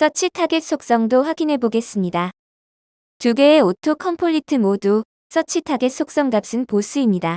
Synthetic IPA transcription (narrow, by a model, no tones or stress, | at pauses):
s͈ʰʌt͡ɕʰitʰaɡe̞t̚s͈ok̚s͈ʌŋdoɸwaɡinɦe̞boɡe̞s͈ɯmɲida | tuɡe̞ːotʰokʰʌmpʰoʎːitʰɯmodu | s͈ʰʌt͡ɕʰitʰaɡes͈ʰok̚s͈ʌŋdap̚s͈ɯnpos͈ɯimɲida